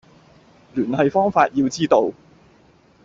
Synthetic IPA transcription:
lyː˨˩nhɐ˨jfɔː˥ŋfaː˧t̚jiː˧wt͡siː˥t̪o˨˧w

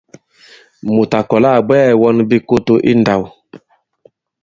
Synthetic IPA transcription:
mu˨ta˨kɔ˨la˦˨ɡ͡bɛː˦˨wɔ˦nbi˦ko˦to˦ʔi˦nda˨w

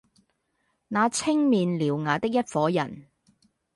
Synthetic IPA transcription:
naː˨˧t͡sʰɪ˥ŋmiː˨nliː˨˩wŋaː˨˧t̪ɪ˥k̚jɐ˥t̚fɔː˨˥jɐ˨˩n

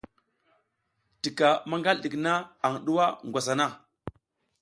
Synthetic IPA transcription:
ti˨ka˨ma˦ŋɡa˦ldi˨kna˦a˨ŋɗu˦wa˦ŋɡʷa˨sa˨na˦˨

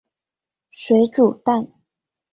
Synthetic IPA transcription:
swe˧˥ɪʈ͡ʂu˨˩t̪a˥˩n

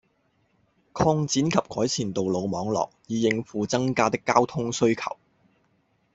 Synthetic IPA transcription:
kʰɔː˧ŋt͡siː˨˥nkʰɐ˨p̚kɔː˨˥jt͡sʰiː˨˩nt̪o˨wlo˨˧wmɔː˨˧ŋlɔ̰ː˨˩k̚jiː˨˧jɪ˧ŋfuː˨˧t͡sɐ˥ŋkaː˧t̪ɪ˥kːaː˥wt̪ʰʊ˥ŋsɵ˥ɥkʰɐ̰˨˩w

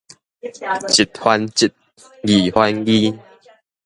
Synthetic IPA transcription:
t͡ɕi˨˩t̪̚hwa˧nt͡ɕi˨˩t̚ | ɡi˨˩hwa˦nɡi˦

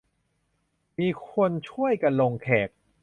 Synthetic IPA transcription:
miː˧kʰo˧nt͡ɕʰu˥˩əjka˧nlo˧ŋkʰɛː˨˩k̚

